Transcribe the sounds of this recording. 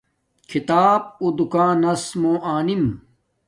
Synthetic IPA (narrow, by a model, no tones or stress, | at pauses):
kʰit̪aːb̚ud̪ukãːnɐsmõːʔaːnim